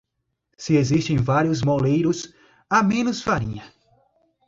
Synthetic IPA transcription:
sɪezist̪ẽj̃vaɾjʊzmolejɾʊs | amẽnʊsfaɾḭ̃ɲɐ

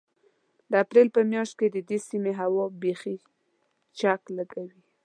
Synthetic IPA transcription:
d̪əapɾelpəmjɑʃt̪̚ked̪əd̪esimeɦawɑbexi | t͡ʃakləɡawi

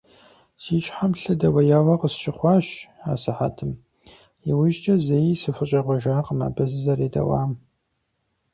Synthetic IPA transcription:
siːt͡ʃʼħamɬɐdɐwɐjaːwɐqəsʃɪχʷɑːɕa̰ːsɨħa̰tʰɨm | iwʊʒt͡ʃʼɐzejisɨfɨt͡ʃʼɐʁʷɐʒaːqəma̰ːbɐzɨzɐɾeːdɐ̰wa̰ːm

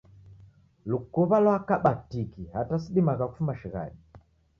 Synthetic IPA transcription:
lukuβalwakaɓatikihatasiɗimakaku̥fumaʃiɣa̰ɗi

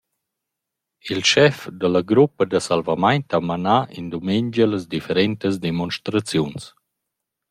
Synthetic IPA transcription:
ilʃɛfd̪əlaɡɾupːəd̪əsalvamajnt̪amanaʔḭnd̪umeɲd͡ʒələzd̪ifəɾɛnt̪əz̬d̪ɛmɔnʃt̪ɾat͡sjuns

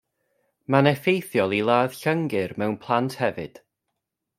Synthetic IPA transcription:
manɛfejθjɔlˠilˠaːð̥ɬəŋɡɪrmɛwnpʰlˠantʰhɛvɨ̰d̥

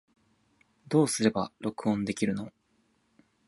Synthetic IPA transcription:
d̪o̞ːsɨɾe̞baɾo̞kɯ̟õ̞nd̪e̞kʲiɾɯ̟no̞

